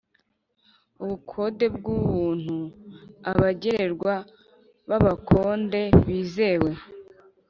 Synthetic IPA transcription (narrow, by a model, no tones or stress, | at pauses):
uβukʰo̞de̞bɡuβuːn̥huaβaɟeɾe̞ɾɡwa | βaβakʰo̞ːnde̞βiːze̞ːwe̞